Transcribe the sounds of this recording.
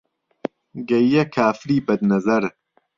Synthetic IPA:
ɡɐjjɛkʰaːfɾiːbɐd̪nɐzɐɾ

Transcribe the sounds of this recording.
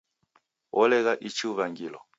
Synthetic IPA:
wʔɔlɛɣaʔit͡ʃiuβaŋɡilɔ

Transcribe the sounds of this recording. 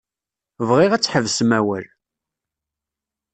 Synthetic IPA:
vʁiʁæt͡sːħəvsmæwəl

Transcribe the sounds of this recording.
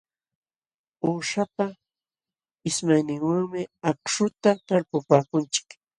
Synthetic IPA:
oːʃapa | ɪsmajnɪŋwaŋmɪakʃʊt̪at̪aɾpʊpaːkʊnt͡ʃɪ̥k

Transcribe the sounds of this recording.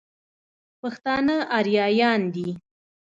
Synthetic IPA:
paxt̪ɑnaʔaɾjɑjɑnd̪i

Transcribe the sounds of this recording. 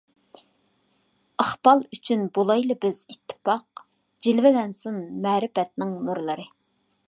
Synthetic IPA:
ɑχbɑlˠyt͡ʃʰynbolˠɑjlɨbɪz̥it̪ʰːɪ̥pɑq | d͡ʒilvɪlɛnsunmɛːɾɪfɛt̪̚nɪŋmøɾlˠɨɾɨ

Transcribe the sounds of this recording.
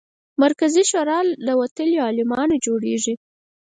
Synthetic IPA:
maɾkaziʃoɾɑlːəwat̪əljiɑlɪmɑnod͡ʒoɽeʐi

